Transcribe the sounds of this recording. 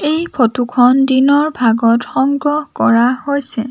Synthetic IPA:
ejpʰotukʰɔndinɔɹbʱaɡɔtxɔŋɡɹɔɦkɔɹahojsɛ

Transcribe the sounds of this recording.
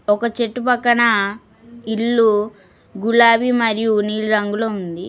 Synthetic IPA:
ɔkɐt͡ʃe̞ʈːupɐkːɐɳɐ | iɭːu | ɡulaːʋimɐɾijuniːlɾɐŋɡuloːund̪i

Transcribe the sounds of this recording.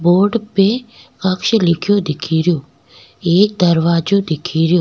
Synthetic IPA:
boːɾɖpe | kɐkʃlɪkʰjoːd̪ɪkʰiːɾjoː | eːk̚d̪əɾʋaːd͡ʒoːd̪ɪkʰiːɾjoː

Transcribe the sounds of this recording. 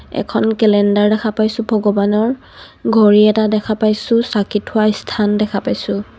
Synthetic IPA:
ɛ̰kʰɔnkɛlɛndaɹdɛkʰapajsʊ̃bʱɔɡɔbanɔɹ | ɡʱɔɹiɛtadɛkʰapajsʊ̃sakitʰʊaistʰandɛkʰapajsʊ̃

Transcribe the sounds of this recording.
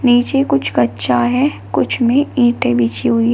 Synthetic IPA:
niːt͡ʃekʊt͡ʃʰkɐtːʃʰaɦɛː | kʊt͡ʃʰmẽĩːʈebiːt͡ʃiɦʊiɦ

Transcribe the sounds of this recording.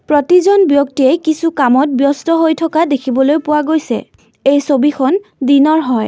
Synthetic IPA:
pɹɔtizɔnbjɔk̚tiejkisukamɔt̚bjɔstɔɦojtʰɔkadekʰibɔlojpʊwaɡojsɛ̰ | ejsobixʰɔndinɔɹɦɔj

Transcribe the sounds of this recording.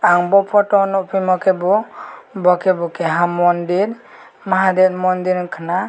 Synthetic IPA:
aŋbɔpʰɔʈɔnɔpʰimɔkɛbɔbɔkɛbɔkɛɦamɔndiɾ | maɦad̪ɛt̪̚mɔnd̪iɾkʰana

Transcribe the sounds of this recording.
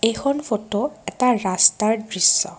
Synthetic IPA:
ejxʰɔnfʰotoɛtaɹastaɹdɹisːɔ̰

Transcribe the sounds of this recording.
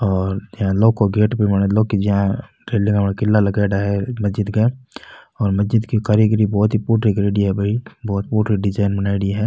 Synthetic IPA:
ɔːɾd͡ʒɦãloːɡ̚kːoɡeːʈpemɐnloːɡkid͡ʒɐɦã | ɾeːlɪ̃ŋɡɐpnakɪlːalɐɡaɖaɦɛmɐsd͡ʒɪd̪ɡɐe | ɔːɾmɐzd͡ʒɪd̪kikaɾiːɡɾibɔːt̪ɦipuːɾɾiɡɾeːɖiɦɛbʱɐɦibɔːt̪̚puːɾɾiɖɪd͡ʒaːɪnbɐnaːɪɽiɦɛː

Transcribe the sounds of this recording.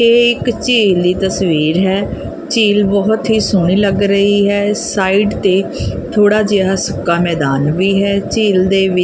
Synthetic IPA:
eːɪkt͡ʃiːld̪iːt̪əsʋiːɾɦɛː | t͡ʃiːlbɔɦt̪ɦiːsʊɳ̃iːləɡɾəɦiːɦɛːsaːiːɖt̪eːt̪ʰoːɽaːd͡ʒeaːsʊkːaːmɛːd̪aːnʋiːɦɛːt͡ʃiːld̪eːʋɪ

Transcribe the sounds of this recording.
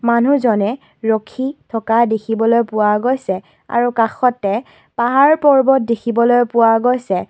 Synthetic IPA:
manuzɔnɛ | ɹɔkʰitʰɔkadekʰibɔlojpʊwaɡojsɛ | a̰ɹukaxɔtːɛ | paɦaɹpɔɹbɔt̚dekʰibɔlojpʊwaɡojsɛ

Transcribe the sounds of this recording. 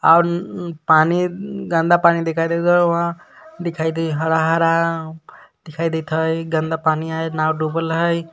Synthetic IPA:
awɾpaniɡə̃nd̪apanid̪ikʰajd̪ed̪əɦã | d̪ikʰajd̪ejɦəɾaɦəɾa | d̪̥ikʰajd̪et̪ʰəjɡə̃nd̪apaniaenawɖubəlɦəj

